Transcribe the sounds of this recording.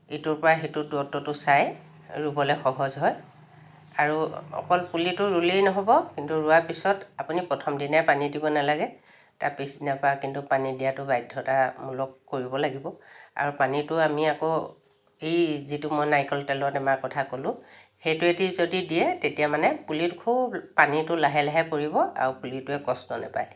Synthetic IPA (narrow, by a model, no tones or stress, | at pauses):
etʊɹpɔɹaxetʊduɔtːɔtʊsaj | ɹubɔlɛxɔɦɔzɦɔj | a̰ɹuɔ̰kɔlpulitʊɹulejnɔɦɔbɔkintuɹʊaɹpisɔtapunipɹɔtʰɔmdinajpanidibɔnalaɡɛ | ta̰pisdinapɔɹakintupanidijatʊbajdʱːɔtamulɔkkːoɹibɔlaɡibɔa̰ɹupanitʊamiako | ejzitʊmɔjnajkɔltɛlɔatɛmaɹkɔtʰakolʊ̃ | xejtʊɛtizodidijɛtetijamanɛpulitʊkʰubpanitʊlaɦɛlaɦɛpoɹibɔa̰ɹupulitʊɛkɔsnɔnɛ̰pa̰j